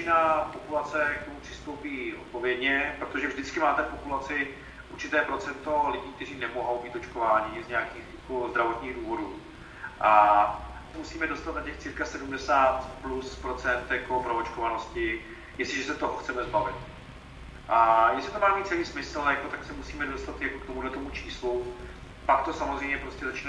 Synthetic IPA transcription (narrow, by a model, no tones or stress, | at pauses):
ɪnapopulat͡sɛjakkomupr̝̥ɪ̥st̪owpiːʔot̪̚po̞vjɛdɲɛpɾot̪oʒɛvʒdɪt͡skɪmaːt̪ɛpopulat͡sɪ | ʔuɾt͡ʃɪt̪ɛːpɾo̞t͡sɛnt̪o̞lɪɟiːk̚t̪ɛriːnɛmoɦo̞wbiːt̪ot͡ʃkovaːɲɪzɲɛakiːxjakozd̪ɾavot̪ɲiːɣduːvo̞duː | ʔa | ɛmusiːmɛdo̞st̪at̪nacɛxt͡siːɾkasɛdumdɛsaːt̪pluspɾo̞t͡sɛnt̪jako̞pɾoot͡ʃkovanoscɪ | jɛslɪʒɛsɛt̪oɦoxtt͡sɛmɛzbavɪt̪ | ʔajɛslɪt̪omaːmiːt̪̚t͡sɛliːsmɪsl̩jakot̪aksɛmusiːmɛdost̪at̪jakokt̪omudlɛt̪omut͡ʃi̥ːslu | pakt̪o̞samozrɛjmɲɛpɾoscɛzat͡ʃiːn